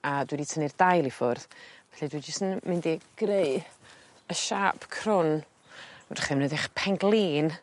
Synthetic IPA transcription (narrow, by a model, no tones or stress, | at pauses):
adwiɾitʰənɪrd̥ajlˠifʊrðvɛ̥ɬɛdwid͡ʒɪstənmɪndiɡ̥reɨ | əʃaːpʰkʰrʊn | ɛrχɪmnədɪχpʰɛŋɡlˠiːn